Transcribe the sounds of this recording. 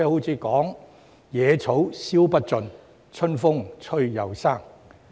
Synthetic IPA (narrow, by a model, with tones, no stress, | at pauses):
ɛː˥ho˨˥wt͡sʰiː˨˧kɔː˨˥ŋ | jɛː˨˧t͡sʰo˨˥wsiː˥wpɐ˥t̚t͡sɵ˨˧n | t͡ʃʰɵ˥nfʊ˥ŋt͡ʃʰɵ˥ɥjɐ̰˨wsaː˥˩ŋ